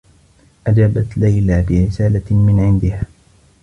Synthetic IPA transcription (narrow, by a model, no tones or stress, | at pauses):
ʔad͡ʒaːbat̪lajlaːbɪɾɪsaːlamɪnʕɪnd̪ɪhaː